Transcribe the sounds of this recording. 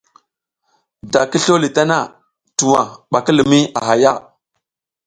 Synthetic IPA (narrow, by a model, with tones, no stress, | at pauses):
da˨ki˦ɬo˦li˨ta˦na˦ | tu˨wa˨ɓa˨ki˦li˨mi˦a˨ɦa˨ja˦˨